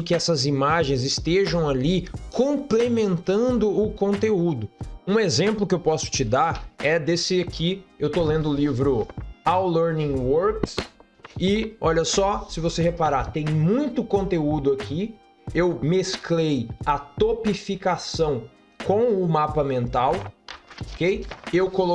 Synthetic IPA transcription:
kɪɛsɐzimaʒẽj̃zɪst̪eʒɐ̃w̃alikõmplemẽnt̪ɐ̃nd̪ʊʊkõnt̪eud̪ʊũezẽmplʊkɪewpɔsʊ̥t͡ʃɪd̪aɾɛd̪esɪakiewt̪olẽnd̪ʊlivɾʊawlɛɾnĩwoɾks | ɪɔʎɐsɔsɪvosehepaɾat̪ẽj̃mũj̃t̪ʊkõnt̪eud̪ʊakʰi | ewmesklejɐt̪opifikasɐ̃w̃ | kõw̃ʊmapɐmẽnt̪awokejewkolo

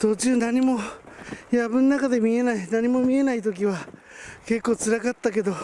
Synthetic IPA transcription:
t̪oːt͡ɕiːnaɲ̟imo̞ | jabɯ̟̃nːakad̪e̞mʲie̞nainaɲ̟imo̞mʲie̞nait̪o̞k̬ʲiβa | ke̞kːo̞ːt͡sɨɾakat̪ːak̬e̞d̪o̞

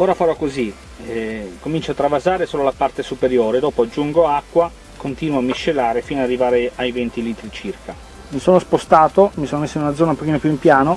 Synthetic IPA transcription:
oːɾafaɾɔkːozi | komint͡ʃoat̪ːɾavazaːɾesoːlolapart̪esupeɾjoːɾed̪ɔːpoad͡ʒːuŋɡoakːwa | kont̪iːnwoamːiʃːelaːɾefinoad̪arːivaːɾeajvɛnt̪iliːt̪ɾit͡ʃirka | misoːnospost̪aːt̪omisoːnomesːoinunad̪zɔːnaũmpːokiːnopjuimpjaːno

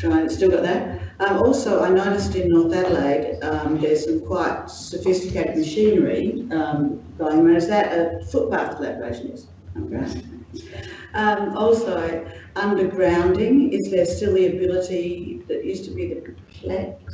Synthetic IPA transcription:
tʰɹ̥aɪɪ̃ŋstɪlˠɡɑʔ̪̚ðə˞ʌ̃mɔlˠsoʊʔə̃nãnɨstɨ̃nːɔɹθæɾəleɪd̥ʌ̃mðə˞z̥sʌ̃mkʰw̥aɪt̚ | sɨfɪstɨ̥kʰeɪɾɨd̚mɨʃĩnə˞ḭʌ̃mɡ̥oʊɪ̃ŋɹãʊ̃nɨzðɨtəfʊt̚b̥ʰɑflɛ̰pə˞ḛɪʃɨ̃nɪ̰z̥ | ʌ̰̃dəɡɹã̰n | ʔʌ̃mɔlˠsoʊʌ̃ndə˞ɡɹãʊ̃ndɪ̃ŋɪzðə˞stɪlˠðiɨbɪlˠəɾiðɨʔjʉstʰəbiðɨ | l̥ɛk

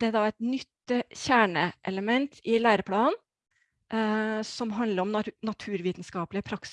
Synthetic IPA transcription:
d̪ɛæd̪ɑɛɪt̪nʏt̪ːəçæːɳəʔɛləmɛnt̪ʰɪlæːɾəpʰlɑːn | sɔmɦɑnd̪ləɾɔmnɑt̪ʰʉːɾʋiːt̪nskɑːplɪəpʰɾɑks

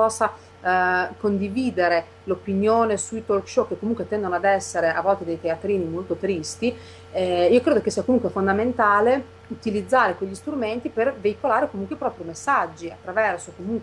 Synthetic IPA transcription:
pɔsːa | kond̪iviːd̪eɾe | lopinjoːnesuit̪orkʃɔkːekːomuŋkwet̪ːɛnd̪onoad̪ɛsːeɾeʔavːɔlt̪ed̪ejt̪eat̪ɾiːnimolt̪ot̪ɾist̪i | ɛiːokɾeːd̪okesiakomuŋkwefond̪ament̪aːle | ut̪ilid̪zːaːɾekweʎːist̪ɾument̪iperveikolaːɾekomuŋkweipɾɔːpɾimesːad͡ʒːiat̪ːɾavɛrsokomuŋkwe

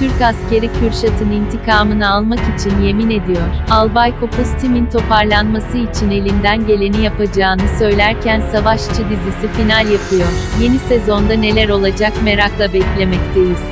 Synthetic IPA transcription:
t̪ʰyɾcasce̞ɾicʰyɾʃat̪ʰɯnint̪ʰikʰaːmɯnɯalˠmakit͡ʃʰinje̞mine̞d̪ijoɾ̥alˠbajkʰopʰust̪ʰimint̪ʰo̞pʰaɾlˠanmasɯit͡ʃʰine̞lʲind̪ænɟe̞lʲe̞nijapʰad͡ʒaːnɯsø̞jlʲæɾcʰænsavaʃt͡ʃʰɯd̪izisifinalʲjapʰɯjoɾ̥je̞nise̞zo̞nd̪ane̞lʲæɾo̞lˠad͡ʒakme̞ɾaklˠabɛclʲe̞mɛc̚t̪ʰe̞jiz̥

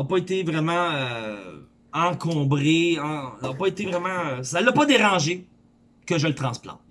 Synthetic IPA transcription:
ɔpɔet̪evʁɛmɑ̃ø | ɑ̃kʰɔ̃bʁeɑ̃ɔpɔet̪evʁɛmɑ̃øsalːapɔd̪eʁɑ̃ʒe | kəʒələt̪χɑ̃splɑ̰̃t̪

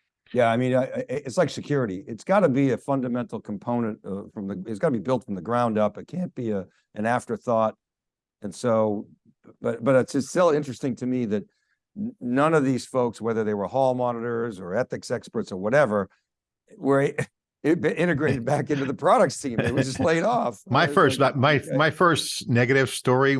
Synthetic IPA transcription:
jæaɪmĩnaʔʔɨtslaɪksɨkʰj̥ʊɹɨɾiʔɨtsɡ̥ɑɾɨbiɨfʌ̃ndɨmɛ̃ntˡl̩ˠkʰm̩pʰõʊ̃nɨ̃nt̚ʌfɹʌ̃mðɨɨtsɡ̥ɑɾəbibɪlˠtfɹʌ̃mðɨɡɹãʊ̃ndʌpɨt̚kʰæ̃nb̥iɨ | ʔɨ̃næftə˞θɔɾ̚ | ɨ̃nsoʊ | b̥ʌt̚b̥ʌɾɨtsʌsstɪlˠɪ̃nt͡ʃɹ̥ɨstɪ̃ŋtʰɨmiðɨt̚ | nʌ̃nʌvðiz̥foʊkswɛðə˞ðeɪwə˞hɔlˠmɑnəɾə˞zə˞ɛθɨksɛkspə˞tsə˞wʌɾɛvə˞ | wə˞ | ɪbɪ̃ɾ̃ɨɡɹeɪɾɨd̚bækɪ̃ntʉðəpʰɹ̥ɑɾɨk̚stʰĩmɪwd͡ʒʌstˡleɪɾɔfmaɪfɜ˞smaɪmaɪfɜ˞stnɛɡɨɾɨv̥stɔɹi

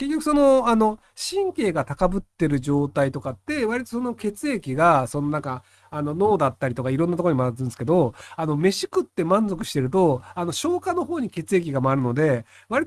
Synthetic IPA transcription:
ke̞kʲːo̞kɯ̟so̞no̞ano̞ | ɕĩŋke̞ːɡat̪akabɯ̟t̪ːe̞ɾɯ̟ʑo̞ːt̪ait̪o̞kat̪ːe̞βaɾʲit̪o̞so̞no̞ke̞t͡sɨe̞kʲiɡaso̞noãŋka | ano̞no̞ːd̪at̪ːaɾʲit̪o̞kaiɾõnːat̪okooimaɯnsɨ̥ked̪o̞ano̞me̞ɕi̥kɯ̟t̪ːe̞mãnzo̞kɯ̟ɕi̥t̪e̞ɾɯ̟t̪o̞ano̞ɕo̞ːkano̞ɦo̞ːɲ̟ike̞t͡sɨe̞k̬ʲiɡamaːɾɯ̟no̞d̪e̞ | βaɾʲit̪

